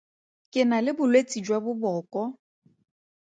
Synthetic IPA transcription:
kʼɪnalɪbʊlwet͡sʼid͡ʒwabʊbɔːkʼɔ

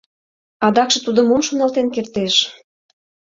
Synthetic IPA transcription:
ɑd̪ɑkʃĕt̪ud̪ə̆momʃonɑlt̪enkert̪eʃ

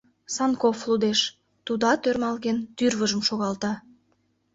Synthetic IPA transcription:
sɑnkoflˠud̪eʃ | t̪ud̪ɑt̪øɾmɑlˠɣent̪yɾvəʒəmʃoɣɑlˠt̪ɑ

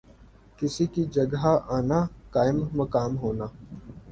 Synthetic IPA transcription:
kɪsikid͡ʒəɡɦaʔaːnaːkaːɪmːəkaːmɦoːnaː

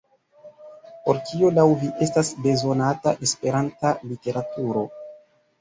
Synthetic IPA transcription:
po̞ɾkiolawviʔe̞stasbe̞zo̞nataʔe̞spe̞ɾantalite̞ɾatuɾo̞

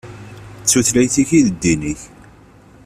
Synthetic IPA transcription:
t͡sːuθlæjθiçiðəd̪ːiniç

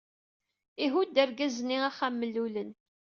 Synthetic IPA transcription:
iɦud̪æɾɡæzniæχamːəlːulən

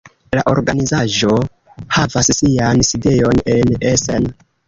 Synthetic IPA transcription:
laʔo̞̰ɾɡanizaʒo̞ | havassianside̞jo̞ne̞nesḛn

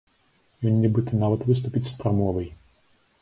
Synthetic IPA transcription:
jʲɔnːʲibɨt̪ɔnɑʋɐt̪ʋɪst̪ʊpʲitʲst̪ɾɐmɔʋɐj

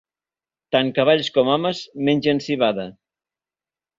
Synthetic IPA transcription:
t̪aŋkaβ̞aʎskɔmɔməzmenʲʒensiβaðɐ

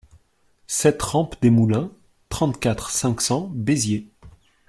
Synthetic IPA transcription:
sɛt̪ʁɑ̃pd̪emulɛ̃ | t̪χɑ̃t̪kʲat̪χsɛ̃ksɑ̃bezje

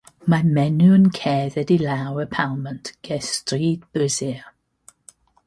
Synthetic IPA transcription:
mamɛnuənkʰɛːðɛdilawəpʰalˠməntɡ̥ɛstriːd̚bɪzi

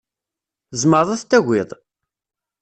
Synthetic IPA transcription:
zˤməɾˤæθt̪ːæɣʷɪðˤ

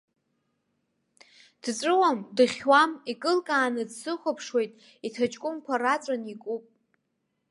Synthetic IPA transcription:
d̥t͡sʷʼɨwamdɨχʲwamikʼɨlkʼaːnɨdsɨχʷapʰʂwe̞jtʼ | itʰat͡ʃʼkʼʊmkʷʰarat͡sʷʼanikʼupʼ

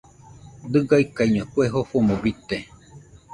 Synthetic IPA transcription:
d̪ɨɡaikaiɲũakueɦofomõbit̪e

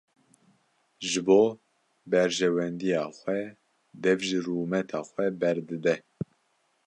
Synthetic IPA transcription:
ʒɨboː | bɛɾʒɛwɛnd̪ijɑːxʷɛ | d̪ɛvʒiruːmɛt̪ʰɑːxʷɛbɛɾd̪ɨd̪ɛ

